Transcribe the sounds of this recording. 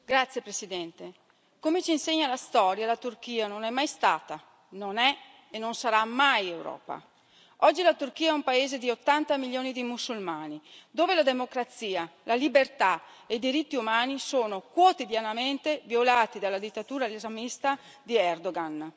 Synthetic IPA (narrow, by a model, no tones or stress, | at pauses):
ɡɾat̪sjepɾesid̪ɛnt̪e | komet͡ʃinseɲːalast̪ɔːɾjalat̪urk̟iːanonɛmːajst̪aːt̪a | nonɛ | enːonsaɾamajewɾɔ̰ːpa̰ | ɔd͡ʒːilat̪urkiːaɛumpaeːzed̪iot̪ːant̪amiljoːnid̪imusːulmaːnid̪oːvelad̪emokɾat̪siːalalibert̪a | ejd̪iɾit̪ːiumaːnisoːnokwot̪id̪janament̪evjolaːt̪id̪alːad̪it̪ːat̪uːɾalezamist̪ad̪iɛrd̪oɡan